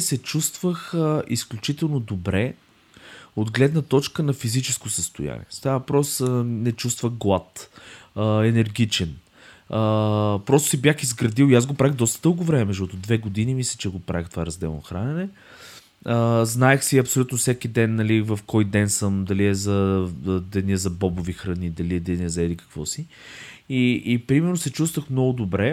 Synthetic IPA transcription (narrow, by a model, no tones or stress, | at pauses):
sɛt͡ʃust̪vəxisklʲut͡ʃit̪ɛlˠnod̪obɾɛ | od̪ɡlɛd̪nət̪ɔt͡ʃkənɐfizit͡ʃɛskosəst̪ʊ̰ja̰nʲḭɛst̪avɐpɾɔsnɛt͡ʃust̪vəxɡlˠat̪əɛnɛɾɡʲit͡ʃɛn | əpɾɔst̪ʊ̥sibjaxizɡɾɐd̪ilˠiaz̬ɡopɾavixd̪ɔst̪əd̪ɤlˠɡʊvɾɛmɛmɛzʒʃt̪ɔt̪ʊd̪vɛɡod̪inimislʲɛt͡ʃɛɡopɾa̰vixt̪o̥vaɾɐzd̪ɛ̰lˠno̰xɾa̰nɛnɛ | əznaɛxsiɐpsolʲut̪nosɛkid̪ɛnːɐlivɐfkɔjd̪ɛnsəmd̪ɐliɛzɐd̪ɛniɛzɐbɔbʊvixɾɐnid̪ɐliɛd̪ɛniɛzɛlikɐ̥kvɔsi | iːpɾimɛɾnʊsɛt͡ʃust̪vəxmnɔɡʊd̪obɾɛ